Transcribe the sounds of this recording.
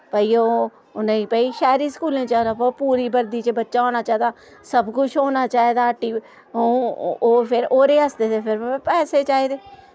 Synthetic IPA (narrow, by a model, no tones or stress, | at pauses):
pəːiːoː | ʊnãiːpɛːiːʃɛːɾiːskuːlẽːt͡ʃaːd̪aːpəpuːɾiːbəɾd̪iːt͡ʃbətːʃaːoːnaːt͡ʃaːed̪aː | səbkʊt͡ʃʰɦoːnaːt͡ʃaːeːd̪aːʈːiː | ooːpʰɪɾoːɾeːəsd̪eːt̪epʰɪɾpɛːseːt͡ʃaːiːd̪eː